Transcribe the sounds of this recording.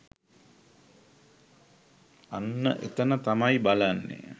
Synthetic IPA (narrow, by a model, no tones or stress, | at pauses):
anːə̰ʔet̪ənət̪amajbalanːḛ